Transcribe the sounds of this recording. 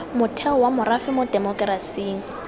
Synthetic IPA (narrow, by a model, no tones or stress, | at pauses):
mʊtʰɛɔwamʊrafɪmʊdemɔkʼrasiːŋ̩